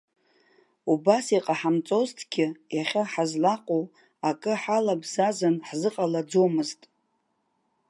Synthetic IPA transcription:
ubasiqʼaħamt͡sʼoztʰɡʲɪjaχʲaħazlaqʼo | akʼɨħalabzazɨnħzɨqʼalad͡zomɨztʼ

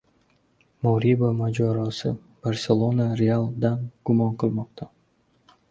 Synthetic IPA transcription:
moɾʲibomad͡ʒoɾosɯ | b̥arsʲelˠonaɾʲealˠd̪ɑnɡ̥umɑɴqʰɯlˠmoq̚t̪ɑ

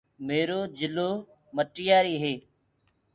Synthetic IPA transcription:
meːɾoːd͡ʒɪloː | məʈɪjaːɾiːɦeː

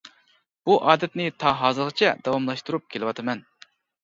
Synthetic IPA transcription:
b̥uʔɑːd̪ɛt̪nɪt̪ʰɑɦɑːzɨɾʁɨt͡ʃʰɛd̪̥ɑwɑmlˠɑʃt̪uɾup̚kʲʰelɪwɑt̪ʰɨmɛn

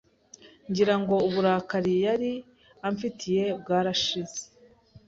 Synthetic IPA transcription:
ɲɟiɾaŋɡo̞uβuɾaːkaɾijaɾi | aɱfitʰije̞b̚ɡaːɾaʃize̥

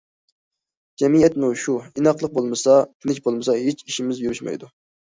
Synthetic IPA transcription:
d͡ʒɛmiɛt̪muʃuinɑqlˠəq̚bolˠmɨsɑk̪ʲʰinɪk̬ʲbolˠmɨsɑɦet͡ʃiʃimɪzjyɾyʃmɑ̰jd̪u

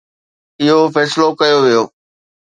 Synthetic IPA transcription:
ɪɦofɛːslokɐjoʋijoː

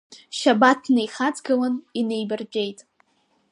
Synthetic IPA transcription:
ʃabatʰnejχad͡zɡɨlanine̞jbɨrd͡ʒʲʷᶣe̞jtʼ

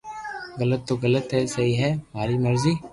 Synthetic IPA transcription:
ɣələt̪ːoːɣələt̪ɦɛsəɦiːɦɛːm̤aːɾiːməɾziː

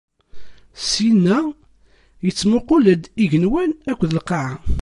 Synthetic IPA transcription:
sinːæ | jət͡sːmʊqʊlæd̪iʝənwænækʷːðəlqɑʕa

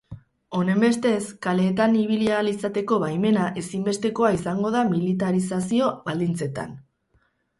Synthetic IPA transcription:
o̞ne̞mbe̞st̪e̞skale̞ːt̪aniβ̞ilialisat̪e̞ko̞βajme̞naʔe̞simbe̞st̪e̞ko̞aisaŋɡo̞ð̞amilit̪aɾisasio̞βald̪int͡se̞t̪a̰n

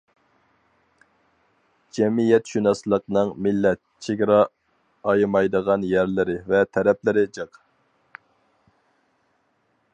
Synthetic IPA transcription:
d͡ʒɛmijɛt̪ʃynɑsɨlˠəqnɨŋmɪlːɛt̪̚t͡ʃʰeɡʲɾɑ | ɑjɨmɑjd̪əʁɑnjæɾlɪɾɪvɛt̪ʰɛɾɛp̚lɪɾɪd͡ʒɨq

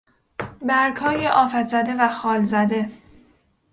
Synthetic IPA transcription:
bæɾkhɒːjeʔɒːfæt̪zæd̪e̞væxɒːlzæd̪e̞

